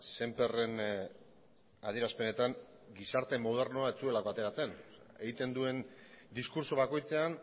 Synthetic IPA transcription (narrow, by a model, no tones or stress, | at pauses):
se̞mpe̞re̞n | að̞ieɾaspe̞ne̞t̪aŋ | ɡisaɾt̪e̞mo̞ðe̞rnoaet͡sue̞lako̞at̪eɾat͡se̞n | eɣit̪e̞nd̪ue̞nd̪iskuɾso̞βako̞jt͡se̞an